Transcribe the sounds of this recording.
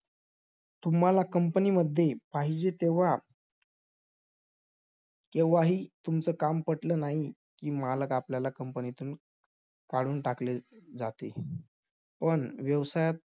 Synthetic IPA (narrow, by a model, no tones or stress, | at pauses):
t̪um̤alakəmpəniːməd̪ʱːjepaɦid͡ʑet̪eʋ̤a | keʋʋaɦiːt̪umt͡səːkampəʈləːnaɦi | kiːmaləkapljalakəmpənit̪uːn | kaɽuːnʈakled͡zat̪e | pəɳʋjəʋsajat̪̚